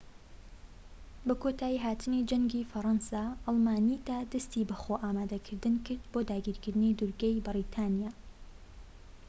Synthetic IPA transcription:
bɐkʰot̪ʰaːjiɦaːt̪ʰɨnid͡ʒɐŋɡiːfɐɾˤɑnsaːʔɑlˠmaːnid̪aːd̪ɐst̪ibɐxoʔaːmaːd̪ɐkʰɨɾd̪ɨnkʰɨɾd̪boːd̪aːɡiːɾkɨɾd̪ɨnid̪ʊɾɡejbɨɾit̪ʰaːnijaː

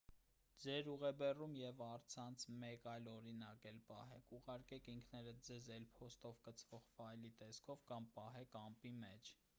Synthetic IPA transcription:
d͡zɛɾuʁɛbɛrumjɛvɑɾt͡sʰɑnt͡sʰmɛkɑjlɔɾinɑkɛlpɑ̰ɦɛkʰuʁɑɾkɛkʰiŋkʰnɛɾəd͡zɛzɛlpʰɔst̪ɔvkət͡sʰvɔʁvɑjlit̪ɛskʰɔvkɑmpɑɦɛkɑmpimɛt͡ʃʰ

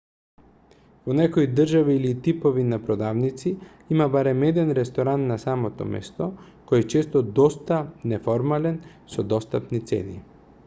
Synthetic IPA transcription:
vonɛkoid̪r̩ʒaviːlit̪ipovinapɾod̪avnit̪si | imabaɾɛmɛd̪ɛnɾɛst̪ɔɾanːasamɔt̪ɔ̰mɛ̰st̪ɔ | kɔjɛt͡ʃɛst̪ɔd̪ɔst̪anɛfɔɾmalɛn | sɔd̪ɔst̪apnit̪sɛ̰nḭ

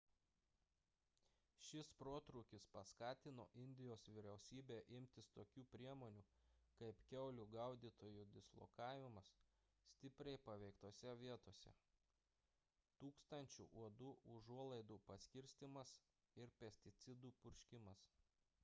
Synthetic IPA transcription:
ʃʲɪspɾoːt̪ɾuːkʲɪspɐskɑːt̪ʲɪno̰ːʔɪnʲd̪ʲɪjoːsʋʲiːɾʲɛʊsʲiːbʲeːʔɪmʲt̪ʲɪst̪oːkʲuːpʲɾʲiɛmoːnʲuː | kɐɪpkʲɛʊlʲuɡɐʊd̪ʲiːˑt̪oːjuːd̪ʲɪslˠo̰kɑːʋʲɪmɐs | sʲt̪ʲɪpʲɾʲɛɪpɐʋʲɛɪkt̪oːsʲɛʋʲiɛt̪oːsʲɛ̰ | t̪uːkst̪ɐnʲt͡ʃʲṵːʔuɔd̪uːʔʊʒuɔlˠɐɪd̪uːpɐsʲkʲɪɾʲsʲt̪ʲɪmɐs | ɪɾpʲɛsʲt̪ʲɪt̪sʲɪd̪uːpʊɾʲʃʲkʲɪmɐs

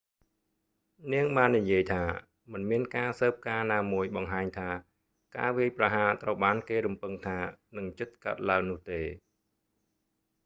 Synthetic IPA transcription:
niəŋɓaːnːijiəjt̪ʰaː | mɨnmiənkaːsəːp̚kaːnaːmuəjɓɑŋɦaːɲt̪ʰaː | ka̰ːʋiəjprɑɦaːt̪rəwɓaːnkeːɾumpɨŋt̪ʰaːnɨŋt͡ɕɨt̪̚ka̰ət̪̚laəŋnʊ̆əht̪eː

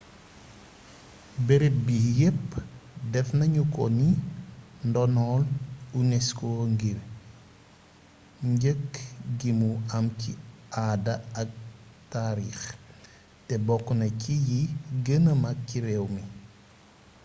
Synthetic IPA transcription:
bɛɾebijepːdɛfnɐɲukɔni | ndɔnɔːlunɛskɔŋɡir | ɲɟəkːɡimuɐmciʔadɐɐk̚taːɾḭːx | tɛbɔkːnɐcijiɡənəmɐk̚ciɾɛwmi

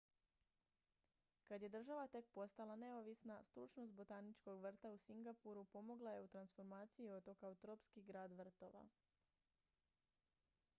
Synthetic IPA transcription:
kad̪je̞d̪r̩ʒaʋat̪e̞k̚po̞st̪alˠane̞oʋisnast̪ɾut͡ʃnost̪̚bo̞t̪aːnit͡ʃko̞ɡʋr̩t̪ausiŋɡapuɾupo̞mo̞ɡlˠaje̞ut̪ɾansfo̞ɾmaːt̪sijio̞t̪o̞kaut̪ɾopskiɡɾaːd̪ʋr̩t̪o̞ʋa̰

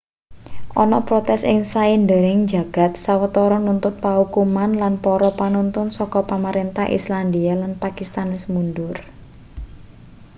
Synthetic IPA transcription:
ʔɔnɔpɾɔt̪ɛsɪ̰ŋsaind̪eɾɪŋd͡ʒa̤ɡ̥a̤t̪̚sawət̪ɔɾɔnunt̪ʊt̪̚pahukumanlanpɔɾɔpanunt̪ʊnsɔkɔpamaɾent̪ahʔḭslandialanpakist̪anɪsmundʊr

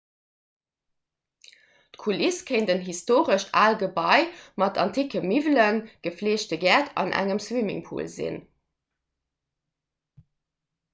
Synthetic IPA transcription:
tkʰuliskʰəɪndənɦistoːʁəʃa̰ːlɡəbɑɪmɑtʰɑntʰiːkəmivlənɡ̥əfleːɕtəɡæːtʰɑ̰nʔæ̰ŋəmswimḭŋpʰṵːlzḭn

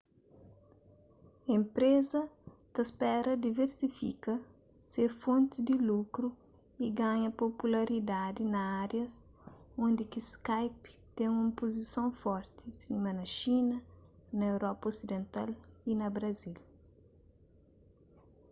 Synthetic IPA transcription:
ẽmpɾezɐt̪ɐspɛɾɐd̪iveɾsifḭkɐ | sefõnt̪ɪd̪ilukɾu | iɡaɲɐpopulɐɾid̪ad̪inɐaɾjɐs | õnd̪ikiskajpt̪ẽŋũmpozisõwfɔɾt̪isimɐnɐʃinɐnɐewɾɔpɐosid̪ẽnt̪a̰linɐbɾɐzil

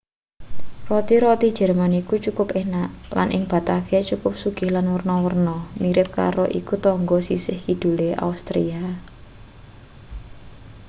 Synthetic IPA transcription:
rɔt̪iɾɔt̪i̥ʒ̥ɛ̤rmanikut͡ʃukʊpehnaʔla̰nʔɪ̰ŋb̥a̤t̪afiat͡ʃukʊp̚suɡ̥ɪ̤hlanwərnɔwərnɔmiɾɪp̚ka̰ɾoʔḭkut̪ɔŋɡɔsisɪhkid̪̥ṳleʔa̰ust̪ɾḭa

